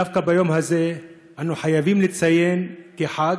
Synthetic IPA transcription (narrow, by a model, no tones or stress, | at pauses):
afkabajo̞mhaze̞ | ʔanuħajavimlit͡saje̞nkeħaɡ